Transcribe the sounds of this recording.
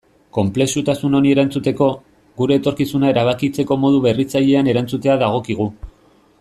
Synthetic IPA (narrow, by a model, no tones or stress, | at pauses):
ko̞mple̞ksut̪asuno̞nie̞ɾant͡sut̪e̞ko̞ | ɣuɾe̞ːt̪o̞ɾkisunae̞ɾaβ̞akit͡se̞ko̞mo̞ð̞uβe̞rit͡saʎe̞ane̞ɾant͡sut̪e̞aðaɣ̞o̞kiɣ̞u